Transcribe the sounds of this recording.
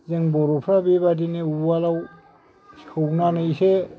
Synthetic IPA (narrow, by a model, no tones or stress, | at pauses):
zeŋbɔɾɔpʰɾabebadineuwalaw | sʰɯwnanɯjse